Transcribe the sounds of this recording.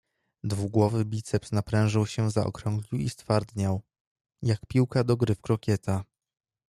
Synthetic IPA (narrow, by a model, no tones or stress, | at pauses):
d̪vuɡwɔvɘbʲit̪sɛpsnapɾɛ̃w̃ʐɘwɕɛzaʔɔ̰kɾɔŋɡlʲiwist̪faɾd̪ɲaw | jakpʲiwkad̪ɔɡɾɘfkɾɔkʲɛt̪a